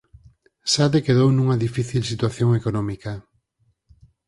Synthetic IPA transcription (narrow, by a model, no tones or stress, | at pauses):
saðekeðownũŋɐðifiθilsit̪waθjoŋekonɔmikɐa